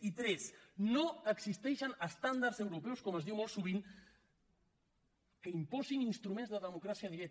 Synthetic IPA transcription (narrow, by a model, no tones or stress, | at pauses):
it̪ɾɛsnoəɡzist̪ɛʃənəst̪and̪arzewɾupɛwskɔməzðiwmɔlˠsuβ̞iŋ | kəimpɔziŋinst̪ɾumẽnzðəðəmukɾasiəðiɾɛk